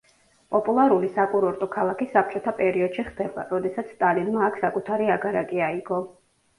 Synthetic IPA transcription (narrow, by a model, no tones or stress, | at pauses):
pʼɔpʼulˠaɾulisakʼuɾɔɾt̪ʼɔkʰalˠakisːap̚ʰt͡ʃʼɔt̪ʰapʼɛɾiɔd̪̥ʃiχd̪̥ɛba̰ɾɔd̪ɛsat̪sʰst̪ʼalinmaːkʰsakʼut̪ʰaɾiaɡaɾakʼiaiɡɔ